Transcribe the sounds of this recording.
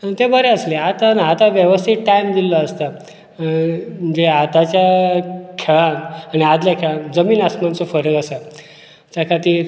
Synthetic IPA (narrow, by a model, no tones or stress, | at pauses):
t̪ebəɾeəsleat̪anat̪aʋjəʋəst̪ʰiʈʈajmd̪ilːɔəst̪a | d͡ʑeat̪at͡ɕja | kʰeɭananiad̪ljakʰeɭand͡zəmiːnasmant͡sɔfəɾəɡasa | t͡ɕjakʰat̪iːɾ